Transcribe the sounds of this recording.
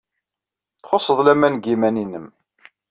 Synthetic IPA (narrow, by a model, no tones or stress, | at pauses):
θχosˤːəðˤlæmænɡimæninəm